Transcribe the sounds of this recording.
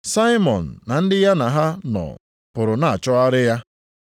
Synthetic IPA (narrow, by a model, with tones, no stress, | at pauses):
sa˦i˦mɔ˨n̩ː˨a˨n̩˦dɪ˦ja˦na˨ɦa˦nɔ̰˨ | pʊ˨ɾʊ˨na˨a˨t͡ʃɔ˦a˦ɾɪ˦ja˦